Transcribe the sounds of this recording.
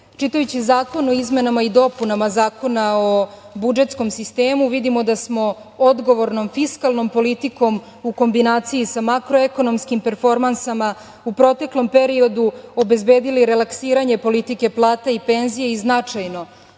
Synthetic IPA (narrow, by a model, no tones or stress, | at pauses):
t͡ʃit̪ajut͡ɕizaːko̞noizme̞namaid̪o̞punamazaːko̞nao | bud͡ʒe̞t̪sko̞msist̪e̞ːmuʋid̪imo̞d̪asmo̞ | od̪ɡo̞ʋo̞ɾno̞mfiskalˠno̞mpo̞lit̪iko̞m | uko̞mbinaːt̪sijisamakɾo̞eko̞no̞mskimpe̞ɾfo̞ɾmansama | upɾo̞t̪e̞klˠo̞mpe̞ɾio̞d̪uobe̞zbe̞ːd̪iliɾe̞laksiːɾaɲe̞po̞lit̪ike̞plˠaːt̪aipe̞nzijeiznat͡ʂajno̞